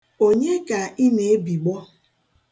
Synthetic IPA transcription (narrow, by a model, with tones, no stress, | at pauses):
o˦ɲe˦ka˨ʔi˦ne˨e˦bi˨ɡ͡bɔ˦